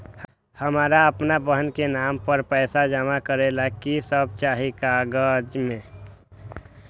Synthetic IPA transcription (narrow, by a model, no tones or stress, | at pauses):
həmaːɾaəpnabəɦənkenampəɾpɛɪsad͡ʒəmakəɾelakisəb̚t͡ʃaɦikaɡəd͡ʒmẽ